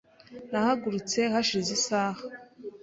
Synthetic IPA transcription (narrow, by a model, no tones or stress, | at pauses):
nahaɡuɾut͡se̞haʃizisaːhḁ